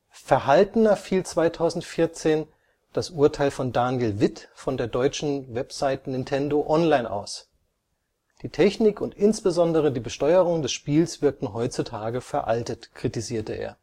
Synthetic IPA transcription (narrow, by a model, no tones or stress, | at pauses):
fɛɐɦaltn̩ɐfiːlt͡sv̥aɪtʰaʊzn̩tfɪɐt͡seːn | d̥asʔuːɐtʰaɪlfɔndaːnjəlvɪtfɔndeːɐdɔʏt͡ʃn̩vɛpz̥aɪtənɪntʰɛndoʔɔnlaɪnʔa̰ʊs | d̥iːtʰɛçnɪkʊntʔɪnsb̥əzɔndəʁ̞ədiːbəʃtɔʏəʁ̞ʊŋdɛsʃpiːlsv̥ɪɐk̚tn̩ɦɔʏt͡sutʰaːɡəfɛɐʔaltətkʁ̥itiziːɐtəʔḛːɐ